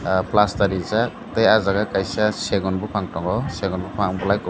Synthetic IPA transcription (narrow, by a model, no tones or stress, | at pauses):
plastaɾiza | tejazaɡakajsaseɡɔnbɔpʰaŋtɔŋɔseɡɔnbupʰaŋbɔlajk